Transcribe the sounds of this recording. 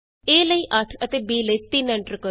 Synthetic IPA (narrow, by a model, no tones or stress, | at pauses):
eːləiːʔəʈʰət̪eːbiːləiːt̪ɪnəɳʈɾkə